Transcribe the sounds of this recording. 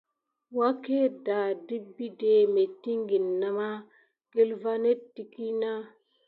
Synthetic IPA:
wa˦ke˦da˨di˦bːi˦de˨me˨ti˦ŋɡi˨nːa˨ma˦ | ɡ̥e˦lva˦ne˦tti˨ki˦na˦

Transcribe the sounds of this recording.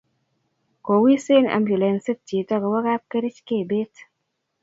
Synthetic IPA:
ko˨wi˦se˦nʔa̰˨mbju˨le˨nse˦t̚ti˨tɔ˦ke˨wa˦ka˦p̚ke˦ɾi˦t͡ʃke˦˨be˦t

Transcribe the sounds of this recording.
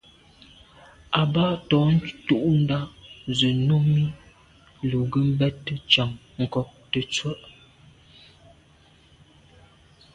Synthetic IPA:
a˨ba˦˨ʔtɔ˨˦n˦tu˦ʔn̩˦da˦ʔzə˨nu˦mi˦ | lu˨ɡə˦m̩˦bɛ˦tːə˦t͡ʃa˨ŋ | ŋ̩˨kɔ˦k̚tə˨t͡sə˦˨ʔ

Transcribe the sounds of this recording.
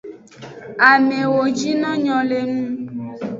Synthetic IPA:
a˨me˨wo˨d͡ʒi˦nɔ̃˦ɲɔ̃˨le˨nũ˦

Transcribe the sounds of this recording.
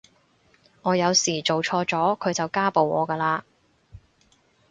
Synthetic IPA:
ŋɔː˨˧jɐ˨˧wsiː˨˩t͡ʃo˨wt͡ʃʰɔː˧t͡sɔː˨˥kʰɵ˨˧ɥt͡sɐ˨wkaː˥po˨wʔɔ̰ː˨˧kɐː˧laː˧

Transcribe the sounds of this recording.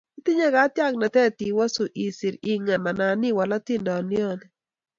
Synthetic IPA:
i˦t̪ɪ˦ɲa˦ɡa˨˦t̪ja˦˨k̚na˨t̪ɛ˦t̪i˨wa˦so˨ʔi˨si˨ɾi˨ŋa˨na˨na˨nɪ˦wa˨la˦t̪ɪ˦ndɔ˨nɪ˦ɔ˦nɛ˨

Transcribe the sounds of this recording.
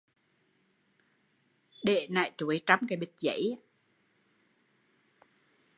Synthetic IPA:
ɗe˧˨˩na̰ː˧˨jt̪u˨˩˦əjt͡ɕa˧˦mkaː˨˩˦ɓi˨˩t̚zə̰˧˥˦j

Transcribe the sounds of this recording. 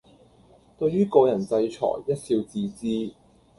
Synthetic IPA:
t̪ɵ˧ɥyː˥kɔː˧wjɐ˨˩nt͡sɐ˧jt͡ʃʰɔ̰ː˨˩jjɐ˥t̚siː˧wt͡siː˧t͡siː˥

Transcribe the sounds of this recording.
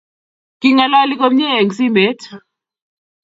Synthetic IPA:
ki˦ŋa˨lɔ˦li˦ko˦mɲe˦e˨ŋ˨si˦mbe˨˦t

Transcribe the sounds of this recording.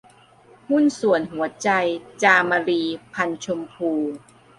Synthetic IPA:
hu˥˨nsu˨˩ənɦu˩˦ɐt͡ɕa˧jt͡ɕaː˧maː˧ɾiː˧pʰa˧nt͡ɕʰo˧mpʰuː˧

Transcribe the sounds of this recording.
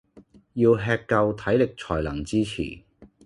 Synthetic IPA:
jiː˧wɦɛː˧kːɐ˧wt̪ʰɐ˨˥jlɪ˨k̚t͡sʰɔː˨˩jlɐ˨˩ŋt͡siː˥t͡sʰḭː˨˩

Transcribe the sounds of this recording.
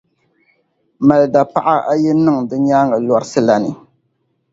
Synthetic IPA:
ma˨lda˨pa˦ʔa˦a˦jɛ˦nɨ˦ŋdɨ˦ɲaː˦ŋɡa˨lɔ˨ɾɨ˦sɨ˦la˨nɨ˨

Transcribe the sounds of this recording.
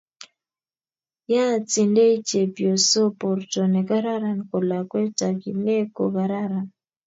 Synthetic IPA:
ja˦˨t͡si˨nde˦i˦t͡ʃe˨pjo˨so˦pɔ˨ɾto˨nɛ˨ɡa˦ɾa˦ɾa˦niko˨la˨kwɛ˦ta˨ki˨ne˦ko˨ɡa˨ɾa˦ɾa˨n

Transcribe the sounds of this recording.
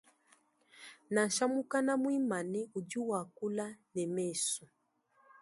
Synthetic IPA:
na˨n̩˨ʃa˦mu˦ka˦na˦mwi˦ma˨nɛ˦u˨ɟu˦wa˨ku˦la˦nɛ˨mɛ˦˨su˨

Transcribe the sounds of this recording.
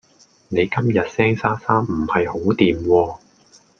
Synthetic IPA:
ne˨˧jkɐ˥mjɐ˨t̚sɛː˥ŋsaː˥saː˥mm̩˨˩hɐ˨jho˨˥wt̪iː˨mwɔː˧

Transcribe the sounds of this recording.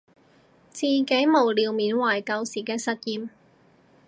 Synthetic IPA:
t͡siː˨˧ke˨˥jmo˨˩wliː˨wmiː˨˥nwaː˨˩jkɐ˧wsiː˨˩kɛː˧sɐ˨t̚jiː˧m

